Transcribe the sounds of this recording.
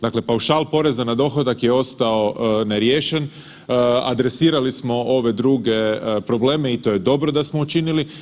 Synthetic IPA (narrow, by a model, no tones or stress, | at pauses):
d̪akle̞pauʃalˠpo̞ɾe̞zanad̪o̞xod̪akjeo̞st̪ao̞neɾjeːʃe̞n | a̰d̪ɾe̞siːɾalismo̞o̞ʋe̞d̪ɾuːɡe̞pɾo̞ble̞ːmeit̪o̞je̞d̪o̞bɾo̞d̪asmo̞ut͡ʃinili